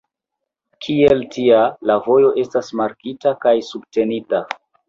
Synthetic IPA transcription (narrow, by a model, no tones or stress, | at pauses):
kʰieltialavo̞jo̞ʔe̞stasmaɾkitakajsub̚te̞nita